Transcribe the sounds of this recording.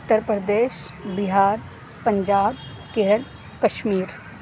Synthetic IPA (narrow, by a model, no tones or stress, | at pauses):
ʊt̪ːəɾpɾəd̪eːʃbɪɦaːɾ | pɐ̃ɲd͡ʒaːb | keːɾəl | kɐʃmiːɾ